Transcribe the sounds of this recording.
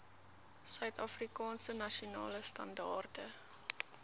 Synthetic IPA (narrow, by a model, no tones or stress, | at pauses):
sœɥtɐfrikɑːnsənɐʃiunɑ̰ːləstɐ̰ndɑːrdə